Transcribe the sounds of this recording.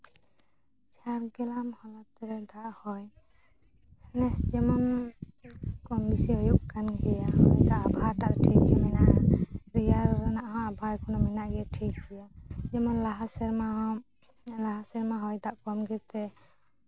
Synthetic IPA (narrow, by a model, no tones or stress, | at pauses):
t͡ʃaɾɡɛlamhɔlat̪ɛɾɛd̪aʔhɔj | nɛsd͡ʒɛmɔn | kɔmbisiɦɔjuʔkanɡɛjad̪aʔbʱaɾʈaʔʈʰikɛmɛnaʔɾijaɾnaʔɦɔabʱajkɔnɔmɛnaʔɡɛʈʰikɡɛjad͡ʒɛmɔnlaɦasɛɾma | laɦasɛɾmaɦɔjd̪aʔkɔmɡɛt̪ɛ